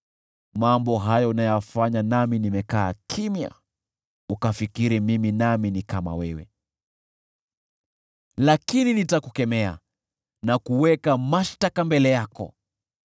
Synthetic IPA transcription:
mambɔɦajɔunajɔjafaɲanaminimɛkaːkʰimja̰ | ukafikiɾimiminaminikama̰wɛwɛ̰ | lakininitakukɛmɛa̰ | nakuwɛkamaʃtakambɛlɛjakɔ̰

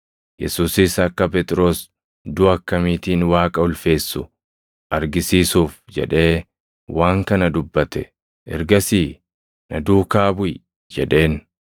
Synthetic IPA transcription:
jɛ̰suːsɪsɐkːɐp̬ɛt̪ʼɪɾo̞ːs | d̪ʊɐkːɐmiːt̪iːnwaːkʼɐʊlfe̞ːsːʊ | ʔɐɾɡɪsiːsuːfd͡ʒɛ̰ᶑe̞ː | wʔaːŋkɐnɐd̪ʊbːɐt̪ɛ | ʔɛ̰ɾɡɐsiː | nɐd̪uːkaːbʊj | d͡ʒɛᶑe̞ːn

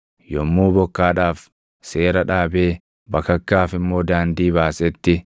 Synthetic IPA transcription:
jɔmːuːbɔkːaːᶑaːf | seːɾɐᶑaːbeː | bɐkɐkːaːfɪmːo̞ːd̪aːnd̪iːbaːsɛt̪ːɪ

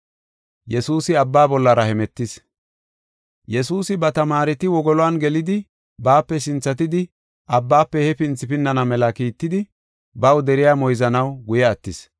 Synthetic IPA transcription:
jɛsuːsɪɐbːaːbɔlːɐɾɐhɛmɛt̪ːɪs | jɛsuːsɪbɐt̪ɐmaːɾɛt̪ɪwɔɡɔlɔwanɡɛlɪd̪ɪ | baːpːɛsɪnt͡sːɐt̪̬ɪd̪ɪ | ɐbːaːpːɛhɛpɪnt͡sːɪpɪnːɐnɐmɛlɐkiːt̪ːɪd̪ɪ | bɐwd̪ɛɾɪjaːmɔjzɐnɐwɡʊjɛːt̪ːɪs

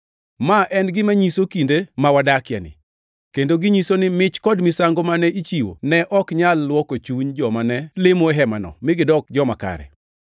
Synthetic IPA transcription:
maʔɛnɡɪmaɲisokindemawadakɪja̰nɪ̰ | kendoɡɪɲisonɪmɪt͡ʃkɔdmɪsaŋɡomanɛit͡ʃiwo̰nɛʔɔkɲalːwɔkot͡ʃuɲd͡ʒɔmanɛlɪmoɦɛmanɔ̰mɪɡɪdɔk̚d͡ʒɔmaka̰ɾɛ̰

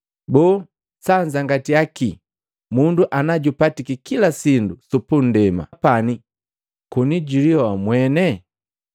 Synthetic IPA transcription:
bɔː | saɲd͡ʒaŋɡatiaki | munduʔanaɟupatikikilasindusupun̩dɛma̰pani | kuniɟiliɔwamwɛnɛ

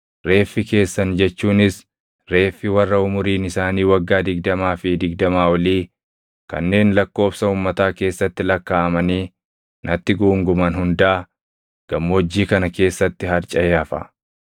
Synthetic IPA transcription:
ɾe̞ːfːɪke̞ːsːɐnd͡ʒɛt͡ʃːuːnɪs | ɾe̞ːfːɪwɐrːɐʊmʊɾiːnɪsaːniːwɐɡːaːd̪ɪɡd̪ɐmaːfɪd̪ɪɡd̪ɐmaːwɐliː | kɐ̰nːe̞ːnlɐkːo̞ːbsɐuːmːɐt̪aːke̞ːsːɐt̪ːɪlɐkːaːɐmɐniː | nɐt̪ːɪɡuːŋɡʊmɐnɦʊnd̪ɐʔɐ | ɡ̥ɐmːoːd͡ʒːiːkɐnɐke̞ːsːɐt̪ːɪɦɐɾt͡ʃʼɐjaːfɐ̰

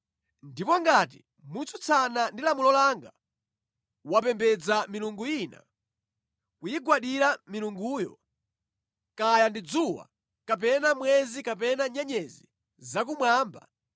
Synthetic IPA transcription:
ndipɔŋɡat̬ḭ | mut͡sut͡sʰanandilamulɔlaŋɡa | wapɛmbɛd͡zamiluŋɡuina̰ | kujiɡwaɗiɾamiluŋɡuːjɔ̰ | kajandid͡zuwa̰ | kap̬ɛnamwɛzikapɛnaɲɛɲɛzi | zak̬umwaːmba

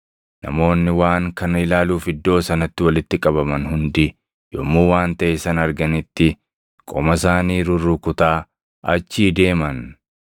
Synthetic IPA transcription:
nɐ̰mo̞ːnːɪwaːŋkɐnɪlaːluːfɪd̪ːo̞ːsɐnɐt̪ːɪwɐlɪt̪ːɪkʼɐβɐmɐnhʊnd̪ɪ | jo̰mːuːwaːnt̪ɐʔesɐnɐɾɡɐnɪt̪ːɪ | kʼɔmɐsaːniːɾʊɾːʊkʊt̪aː | ʔɐt͡ʃːiːd̪e̞ːmɐn

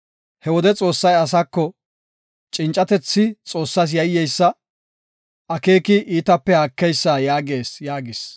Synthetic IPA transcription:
hɛwɔd̪ɛt͡sʼo̞ːsːɐjɐs̬ɐkːɔ | t͡ʃʼɪnt͡ʃʼːɐt̪ɛt͡sːɪt͡sʼo̞ːsːas̬jɐjːɛjsːɐ | ɐke̞ːkɪʔiːt̪ɐpːɛhakːɛjsːajaːɡeːsjaːɡɪs

